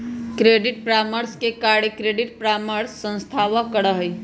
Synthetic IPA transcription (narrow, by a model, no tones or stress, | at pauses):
kɾeːɖɪʈ̚pɾaməɾskekaɽekɾeɖɪʈpɾaməɾsːə̃nst̪ʰaʋəkəɽəɦəj